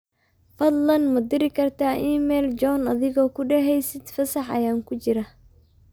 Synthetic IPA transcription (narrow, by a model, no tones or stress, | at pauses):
fɐd̪lɐnmɐd̪ɪɾɪkʰɐrt̪ʰaːʔiːmɛːld͡ʒɔːnɐðɪɣɔːkʰʊɖɛɦɛjsɪd̪fɐsɐħɐ̰jaːŋkʰʊt͡ʃɪɾɐ